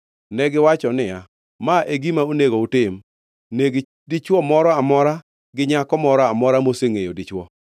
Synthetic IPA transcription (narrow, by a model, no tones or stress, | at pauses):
nɛɡɪwat͡ʃɔnɪja | maʔeɡimaoneɡoutɪm | neɡ | dit͡ʃwɔmɔɾɔamɔɾa | ɡɪɲakɔmɔɾɔamɔɾamoseŋejodit͡ʃwɔ